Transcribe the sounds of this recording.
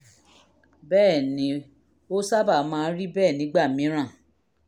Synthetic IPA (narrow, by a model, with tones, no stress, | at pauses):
bɛː˦˨nĩ˨˦ | o˦sa˦ba˦˨˦mãː˧˦ɾi˦bɛː˦˨nĩ˨˦ɡ͡ba˦˨mĩ˨˦ɾ̃ã˦˨